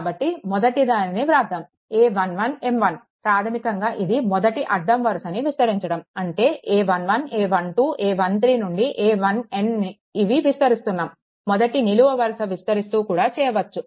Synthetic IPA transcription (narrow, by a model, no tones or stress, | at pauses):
kːbɐʈːimɔd̪ɐʈid̪aːniniʋɾaːd̪ʱɐm | eːʋɐnʋɐne̞mʋɐn | pɾaːt̪ʰɐmikɐŋɡaːʔid̪imɔd̪ɐʈiʔɐɖːɐmʋɐɾsɐniʋist̪ɐɾiɲt͡ʃɐɽɐmɐɳʈe̞ːʔeːʋɐnʋɐneːʋɐɳʈuːʔeːʋɐnt̪ɾiːnuɳɖiʔeːʋɐneniː | ʋiʋist̪ɐɾist̪unːaːmː | ɔd̪ɐʈiniluʋɐʋɐɾsɐʋist̪ɐɾist̪uːkuːɽaːt͡ʃɛːjɐʋɐt͡ʃːu